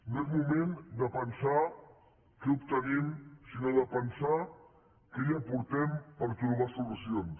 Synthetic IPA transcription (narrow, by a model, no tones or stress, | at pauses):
nɛzmumẽnd̪əpənsa | kɛupt̪ənimsinoðəpənsa | keiapuɾt̪ɛmpəɾt̪ɾuβ̞asulusions